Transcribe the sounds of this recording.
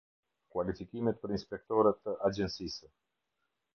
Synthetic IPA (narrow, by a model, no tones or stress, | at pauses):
kwalifikʲimet̪̚pɾeinspek̚t̪oɾət̪əʔad͡ʒensisə